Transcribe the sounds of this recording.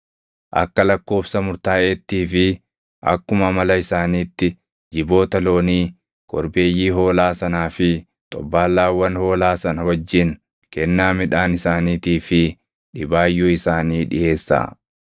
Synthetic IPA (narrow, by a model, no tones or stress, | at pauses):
ʔɐ̰kːɐlɐkːo̞ːbsɐmʊɾt̪aːʔet̪ːiːfɪ | ʔɐ̰kːʊmɐmɐlɐɪsaːniːt̪ːɪ | d͡ʒɪbo̞ːt̪ɐlo̞ːniː | kɔ̰ɾbe̞ːjːiːɦo̞ːlaːsɐnaːfɪ | t̪ʼɔ̰bːaːlːaːwːɐnho̞ːlaːsɐnɐwɐd͡ʒːɪn | kɛnːaːmɪᶑaːnɪsaːniːt̪iːfɪ | ᶑɪbaːjːuɪsaːniːᶑɪ̰ʔe̞ːsːa̰ː